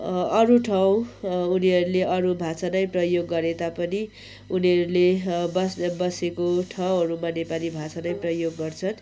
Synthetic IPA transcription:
ʌɾuʈʰaw̃uniʌɾuleʔʌɾubʱat͡sanʌjprʌjoɡːʌɾet̪apʌni | uniʌɾulebʌsbʌsekoʈʰʌw̃ɦʌɾumanepalibʱat͡sanʌjprʌjoɡːʌrt͡sʰʌn

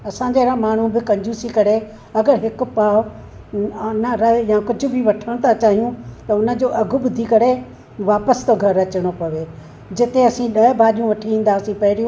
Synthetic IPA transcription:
ɐsãːɲd͡ʑeɾãmaːɳ̤ũbɪkɐ̃ɲd͡ʑuːsikɐɾe | ɐɡəɾɦɪkʊ̆paː | nɐɾɐjãːkʊd͡ʑʱʊ̆bʱiʋɐʈʰəɽ̃t̪ʰat͡ɕaːɦijũt̪ɐʊnə̆d͡ʑoːʔɐɡʱʊ̆ɓʊd̪ʱikɐɾe | ʋaːpəst̪oɡʱɐɾɐt͡ɕɪɽ̃opɐʋeː | d͡ʑɪt̪eɐsĩɗɐbʱaːɗijũʋɐʈʰiĩːn̆d̪aːsĩpɐɦɪɾijũ

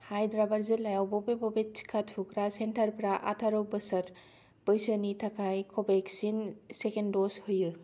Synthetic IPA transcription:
hajdɾabaɾzilajawbɔbebɔbet͡ʃʰi̥kʰatʰukɾasentʰɐɾpɾaʔa̰tʰaɾowbəsɐɾ | b̥ɯjsənitʰakʰajkʰɔbeksinsekendɔshojɯ

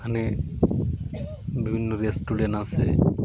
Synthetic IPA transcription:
kʰane | bibʱinːoɾiesʈuɖeɳʈase

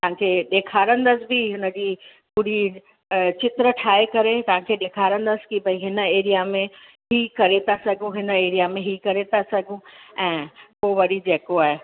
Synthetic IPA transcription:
t̪ɐɦãkʰeːɗeːkʰaːɾə̃nd̪əsɪ̆bɪɦɪnə̆d͡ʑiː | kuɽi | t͡ɕɪt̪ɾəʈʰaːekɐɾet̪ɐʋ̤ãkʰeːɗeːkʰaːɾə̃nd̪əsɪ̥kibɐĩɦɪnə̆eːɾijamẽ | ɦikɐɾet̪asɐɡʱũɦɪnəeːɾijamẽɦikɐɾet̪asɐɡʱũɛ̃ːpoʋɐɾid͡ʑeːkoaːɦe

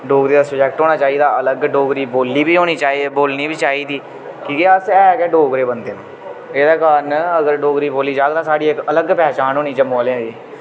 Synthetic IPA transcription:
ɖoːɡɾiːd̪aːsʊd͡ʒɛːk̚ʈɦoːnaːt͡ʃaːiːd̪aːələɡɖoːɡɾiːboːlːiːbiːɦoːniːt͡ʃaːiboːlniːbiːt͡ʃaːiːd̪iː | kiːkiəsɛːkɛːɖoːɡɾeːbənd̪eːnãːeːd̪aːkaːnəɡəɾɖoːɡɾiːboːlːiːd͡ʒaːɡd̪aːsaːɖiːɪkələɡpɛːt͡ʃaːnɦoːniːt͡ʃəmoːlẽãd͡ʒeː

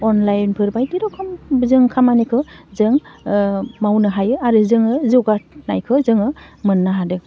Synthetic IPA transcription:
ɔnlajnpʰɯɾbajdiɾɔkʰɔmzɯŋkʰamanikʰɯzɯŋ | mawnɯɦajɯaɾɯzɯŋɯzɔɡanajkʰɯzɯŋɯmɯnːaɦadɯ

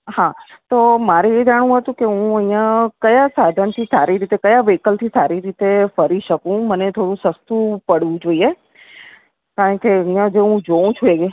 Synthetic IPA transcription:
hãt̪omaɾeed͡ʒaɽ̃ũɦət̪ũkeɦũə̃ĩjãkəjasad̪ʱənt̪ʰisaɾiɾit̪ekəjaʋekəlt̪ʰisaɾiɾit̪efəɾiʃəkũmənet̪ʰoɽũsəst̪upəɽũd͡ʒoːie | kaːɾəɳkeəɦĩjãd͡ʒeɦũd͡ʒoũt͡ʃʰueɡ

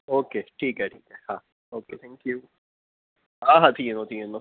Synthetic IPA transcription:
oːkeːʈʰiːkɦɛʈʰiːkɦɛha | oːkeːt̪ʰɛ̃ŋkjuː | aːɦat̪ʰiːenot̪ʰiːeno

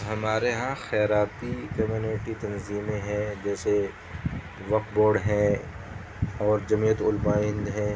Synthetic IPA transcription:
ɦɐmaːɾeɦãxɛːɾaːt̪ikɐmjuːneʈit̪ɐnziːmẽɦɛ̃d͡ʒɛːse | ʋɐk̚boːɖɦɛ̃ | ɔːɾd͡ʒɐmijət̪ʊlmaːɪ̃nd̪ɦɛ̃ː

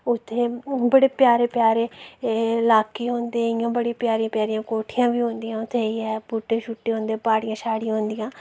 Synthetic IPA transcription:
ʊt̪ʰːeːbəɽeːpɪjaːɾeːpjaːɾeː | laːkiːɦõːnd̪eːɪjõːbəɽĩːpɪjaːɾiãːpjaːɾijãːkoːʈʰɪjãːʋiːɦõːnd̪ijãːʊt̪ʰːeːiːɛːbuːʈːeːʃʊʈːeːɦõːnd̪eːpaːɽɪjãːʃaːɽijãɦõːnd̪ɪjãː

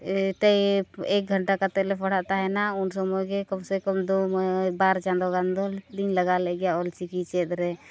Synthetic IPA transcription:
t̪əiek̚ɡʱəɳʈakat̪ɛlepʰəɽ̤aʔt̪aɦɛnaʊnsɔmokekəmsekəmd̪ombaɾt͡ʃãnd̪oɡãnd̪od̪inləɡalɛɡjaolt͡ʃikit͡ʃɛd̪ɾɛ

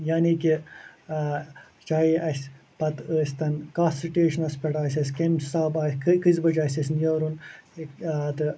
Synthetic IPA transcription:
jaːniki | t͡ʃaːiʔɐsʲ | pɐt̪əːst̪ɐnkaːsiʈeːʃɐnɐspeʈaːsɐskemsaːbaːskkizbɐt͡ʃaːsɐs̬njɐːɾun | t̪ɨ

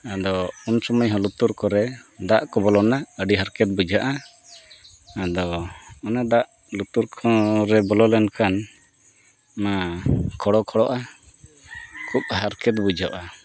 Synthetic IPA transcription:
ad̪ɔunsɔməjɦɔ̃lut̪uɾkɔɾɛd̪aʔkɔbɔlɔnaəɖiɦaɾkɛt̪̚bud͡ʒʱaʔa | d̪ɔɔnad̪aʔ | lut̪uɾkʰɔ̃ɾɛbɔlɔlɛnkʰan | makʰɔɽɔkʰɔɽɔʔa | kʰup̚haɾkɛt̪̚bud͡ʒʱaʔa

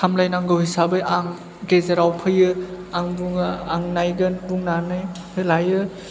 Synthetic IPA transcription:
kʰamlajnaŋɡɯwhisabɯjaŋ | ɡezeɾawpʰɯjɯ | aŋbuŋɯaŋnajɡɯnbuŋnanɯj | pʰɯlajɯ

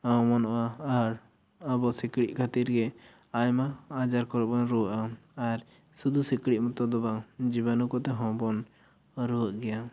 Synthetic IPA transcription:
ɔmɔnɔʔaːɾ | abɔsikɽiʔ̚kʰat̪iɾɡɛ | ajmaad͡ʒaɾkɔɾɔbɔnɾuwəʔaaɾ | sud̪usikɽiʔ̚mɔt̪ɔd̪ɔbad͡ʒibanukɔt̪ɛɦɔ̃bɔn | ɾɔəʔɡɛja

